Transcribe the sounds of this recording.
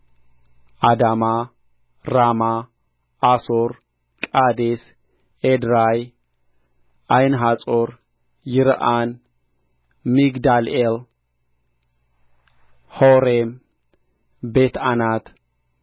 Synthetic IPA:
ʔad̪ama | ɾamaː | soɾ | kʼad̪es | ʔed̪ɾaj | ʔajnɦat͡sʼoɾ | jɪɾʔan | miɡd̪alel | hoɾem | bet̪anat̪

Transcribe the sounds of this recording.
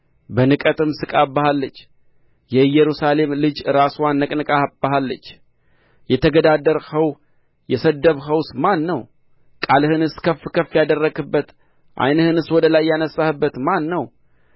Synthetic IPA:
bənɨkʼət̪ʼɨmsɨkʼabːahalːət͡ʃː | jɛjɛɾusale̞mlɨd͡ʒɨɾaswanːəkʼnɨkʼab̥əɦalːət͡ʃː | jɛt̪ʰəɡəd̪ad̪əɾhəw | jɛsəd̪əβɦəwsmanːəw | kʼalhɨnɨskʰəfːɨkʰəfːjad̪ərːəɡɨbːət̪ | ʔa̰jnhɨnɨswɔd̪əlajːanəsːahɨbːət̪manːəw

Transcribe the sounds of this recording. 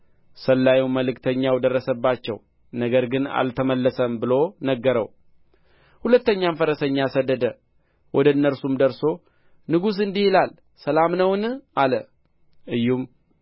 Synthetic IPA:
səlːajuwməlɨkt̪ʰəɲːawd̪ərːəsəbːat͡ʃːɛ̰w | nəɡəɾɡɨna̰lt̪ʰəməlːəsəmbɨlo̞nəɡːəɾə̰w | hulət̪ːəɲːamfəɾəsəɲːasəd̪ːəd̪ə | wʔɔd̪əɨnːəɾsumd̪əɾso̞ | nɨɡus̬ɨnd̪ihilal | səlamnəwnalə | ʔɨjːum

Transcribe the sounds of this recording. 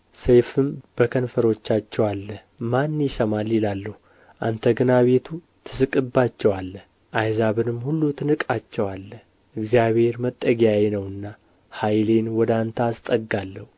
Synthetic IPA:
sejfɨmb̥əkʰənfəɾo̞t͡ʃːat͡ʃːɛwalːə | manːjɪsəmalilalːəhu | ʔa̰nt̪ʰəɡɨnaβe̞t̪ʰu | t̪ʰɨsɨkʼɨbːat͡ʃːɛwalːə | ʔajzaβɨnɨmhulːut̪ʰɨnɨkʼat͡ʃːɛwalːə | ʔɨɡzijaβhe̞ɾmət̪ʼːəɡjajenəwɨnːa | hajle̞nwɔd̪ant̪ʰaːst̪ʼəɡːalːəhu

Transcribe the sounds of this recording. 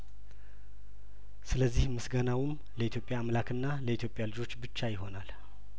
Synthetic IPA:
sɨləzːihmɨsɡanawɨm | ləit̪jo̞pʼːjaːmlakʰɨnːaləit̪ʰjo̞pʼːjalɨd͡ʒo̞t͡ʃːbɨt͡ʃːajɪɦo̞nal

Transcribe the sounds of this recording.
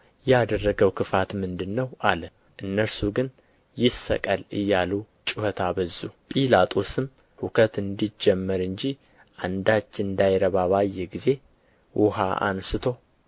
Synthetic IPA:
jɛad̪ərːəɡəwkʰɨfat̪mɨnd̪ɨnːəwʔalə | ʔɨnːəɾsuɡɨn | jɪsə̰kʼalɨ̰jːalu | t͡ʃʼuhət̪ʰaβəzːupʼilat̪ʰʼo̞sɨm | hukʰət̪ɨnd̪id͡ʒɛmːəɾɨɲd͡ʒi | ʔand̪at͡ʃːɨnd̪ajɾəβaβajːɛɡize̞ | wʔɔɦaʔa̰nsɨt̪ʰo̞

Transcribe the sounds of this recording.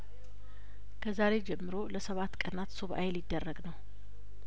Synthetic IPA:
kʰəzaɾe̞d͡ʒɛmːɨɾoləsəβat̪ːkʼənat̪soβʔa̰jlɪd̪ːərːəɡnəw

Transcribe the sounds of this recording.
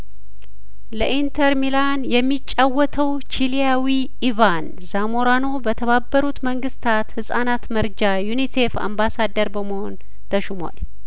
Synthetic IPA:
ləʔint̪ʰəɾmilanjɛmːit͡ʃʼːawːɔt̪ʰəw | t͡ʃilijawi | ivan | zamoɾano̞bət̪ʰəβabːəɾut̪məŋɡɨst̪ʰat̪hɨsʼanat̪məɾd͡ʒajunise̞fa̰mbasad̪ːəɾbəməhon | t̪ʰəʃuma̰l

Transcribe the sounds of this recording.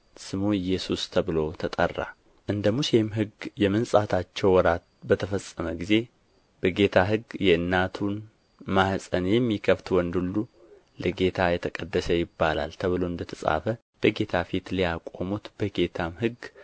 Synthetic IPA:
sɨmuɨjːɛsust̪ʰəβɨlo̞t̪ʰət̪ʼərːa̰ | ʔɨnd̪əmusemɦɨɡjɛmɨnsʼat̪ʰat͡ʃːɛwwɔɾat̪̚bət̪ʰəfəsʼːəməɡize̞ | b̥əɡe̞t̪ʰaɦɨɡjɛɨnːat̪ʰun | mahsʼənjɛmːikʰəft̪wɔnd̪ulːu | ləɡe̞t̪ʰajɛt̪ʰəkʼəd̪ːəsəjɪbːala̰lt̪ʰəβɨloɨnd̪ət̪ʰəsʼa̰fə | b̥əɡe̞t̪ʰafit̪lijakʼomut̪b̥əɡe̞t̪ʰamhɨɡ

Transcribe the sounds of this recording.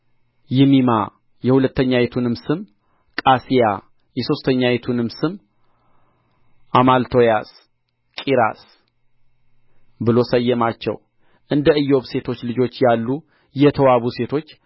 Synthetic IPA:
jɪmima | jɛhulət̪ːəɲːajet̪ʰunɨmsɨm | kʼasija | jɛso̞st̪ʰəɲːajet̪ʰunɨmsɨm | ʔamalt̪ʰo̞jas | kʼiɾa̰s | bɨlo̞səjːɛmat͡ʃːɛ̰w | ʔɨnd̪əɨjːo̞βse̞t̪ʰo̞t͡ʃːlɨd͡ʒo̞t͡ʃːjalːu | jɛt̪ʰəwaβuse̞t̪ʰo̞t͡ʃː

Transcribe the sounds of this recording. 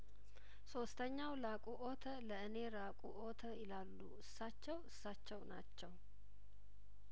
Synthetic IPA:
so̞st̪ʰəɲːawlakʼuʔot̪ʰələɨne̞ɾakʼuʔot̪ʰəjɪlalːuʔɨsːat͡ʃːɛwɨsːat͡ʃːɛwnat͡ʃːɛw

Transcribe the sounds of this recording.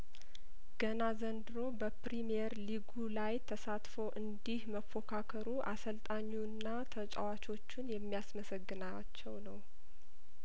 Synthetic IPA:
ɡ̥ənazənd̪ɨɾo̞bəpɾimijɛɾliɡulajt̪ʰəsat̪foʔɨnd̪ihməfo̞kʰakʰəɾuʔasəlt̪ʼaɲːunːat̪ʰət͡ʃʼa̰wat͡ʃo̞t͡ʃːunjɛmːijasməsəɡːɨna | t͡ʃːɛwnəw

